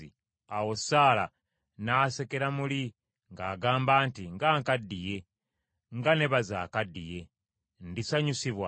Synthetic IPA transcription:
ḭ | awo̞saːla̰ | naːse̞ke̞ɾamuli | ŋɡaːɡaːmbaːntiŋɡaːŋkadːije̞ | ŋɡane̞βaza̰ːkadːije̞ | ndisaɲusiβwa

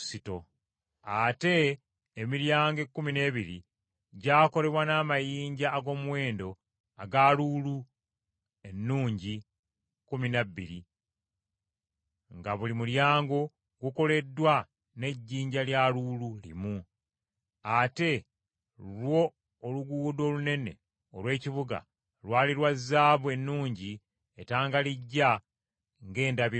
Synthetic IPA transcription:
sito̞ | ate̞ː | miɾjaːŋɡe̞kːumine̞ːβiɾḭ | ɟaːko̞le̞βwanaːmajiːɲɟaːɡo̞ːmwe̞ːndo̞ | aɡaluːlu | e̞nːuːɲɟi | kuminaβːḭɾi | ŋɡaβulimuɾjaːŋɡo̞ | ɡuko̞le̞dːwa | ne̞ɟːiːɲɟaljaluːlulḭmu | ate̞ | lwo̞ː | luɡuːdo̞ːlune̞ne̞̰ | olwe̞ːciβuɡa̰ | lwaːliɾwazaːβwe̞nːuːɲɟi | etaːŋɡaliɟːa | ŋɡe̞ːndaβi

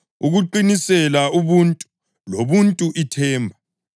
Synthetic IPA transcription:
uɣuǃinisɛlauβuntʼu̥ | loβuntʼuʔitʰɛːmbʱa

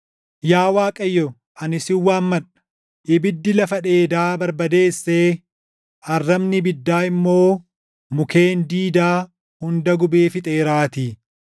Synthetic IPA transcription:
jaːwaːkʼɐjːɔ | ʔɐnɪsɪwːaːnmɐᶑɐ̥ | ʔɪbɪd̪ːɪlɐfɐᶑe̞ːd̪aːbɐɾbɐd̪e̞ːsːeː | ɐrːɐbnɪbɪd̪ːaːɪmːo̞ː | mʊke̞ːnd̪iːd̪aː | hʊnd̪ɐɡʊbeːfɪt̪ʼeːɾaːt̪iː

